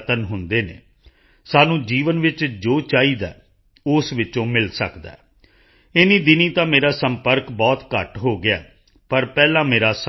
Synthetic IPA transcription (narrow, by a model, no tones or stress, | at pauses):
t̪ənɦʊ̃nd̪eːnḛː | saːnũːd͡ʒiːʋənʋɪt͡ʃd͡ʒoːt͡ʃaːiːd̪a̰ː | ʊsʋɪt͡ʃõːmɪlsəkd̪a̰ː | ɪniːd̪ɪniːt̪ãːmeːɾaːsəmpəɾkbɔːt̪kəʈɦoːɡɪa̰ː | pəɾpɛːlãːmeːɾaːs